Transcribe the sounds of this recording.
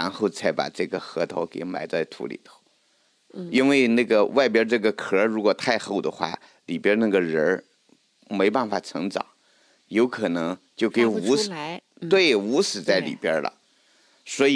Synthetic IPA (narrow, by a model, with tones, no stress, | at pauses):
a˧˥nxo˥˧ʊt͡sʰa˧˥ɪpa̰˨˩ʈ͡ʂɤ˥˩ɡə˩xɤ˧˥t̪ʰo̰˧˥ʊkḛ˨˧˩ɪma˧˥ɪt͡sa˥˩ɪt̪ʰṵ˧˥lḭ˨˩t̪ʰo˧˥ʊ | i˥nwe˥˧ɪna˥˩ɡə˩wʔa˥˩ɪp̬jə˥ʈ͡ʂɤ˥˩ɡə˩kʰɤ˧˥ɻu˧˥kwɔ˨˩t̪ʰa˥˧ɪxo˥˩ʊd̪ə˩xwa̰˥˩ | li˨˩pjə˥na˥˩ɡə˩ɻə˧˥ | me˧˥ɪpa˥˩nfa˨˩ʈ͡ʂʰɤ̰˧˥ŋʈ͡ʂɑ̰˨˩˦ŋ | jo˧˥ʊkʰɤ˨˩nɤ˧˥ŋt͡ɕjo˥˩ʊke˧˥ɪu˧˥˧ | t̪we˥˩ɪu˧˥ʂɹ̩˨˩t͡sa˥˩ɪlḭ˨˩pjə˥lə̰˨˩ | swɔ˧˥˨